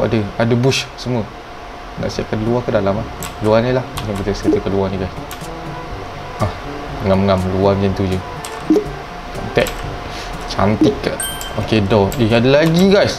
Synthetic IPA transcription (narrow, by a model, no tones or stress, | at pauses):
a̰dəadəbuʃsəmuə | na̰ʔsiap̚kanluahkadalamlahkəluanilahukaŋkit̪əskət̪əkəluaniɡajs | ah | ŋamŋamluand͡ʒɛnt̪ud͡ʒə | t͡ʃa̰nt̪ɛʔ̚ | t͡ʃa̰nt̪ɪkːa | okedɔiadəlaɡiɡajs